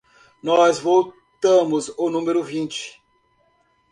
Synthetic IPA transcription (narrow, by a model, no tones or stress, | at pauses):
nɔzvow | t̪ɐ̃mʊzʊnũmeɾʊvĩnt͡ʃɪ̥